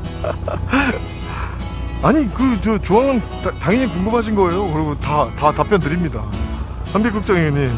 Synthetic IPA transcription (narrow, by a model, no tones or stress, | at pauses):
aɲikɯt͡ɕʌt͡ɕoaŋɯnttaŋiɲikoŋɡɯmhaɕ̬ʰinɡʌe̞jokɯɾiɡotatatapʰjʌntɯɾimɲida | hamɡek͈uk̚t͡ɕ͈aŋeɲim